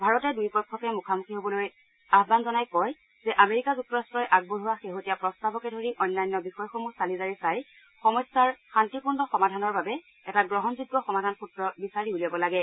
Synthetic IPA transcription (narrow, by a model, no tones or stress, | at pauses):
bʱaɹɔtɛdujpɔɹkʰːɔkɛmukʰamukʰiɦobɔloj | aɦbanzɔnajkɔj | zɛʔameɹikazuk̚tːɔɹastɹɔjʔaɡ̚boduwaxeɦotijapɹɔstabɔkɛdʱoɹiʔɔjnːajnːɔbixɔjxomusalizaɹisaj | xɔmɔsaɹxantikundɔxɔmadʱanɔɹbabɛ | ɛtaɡɹɔɦɔnzuɡːɔxɔmadʱanxutɹɔbisaɹiuliabɔlaɡɛ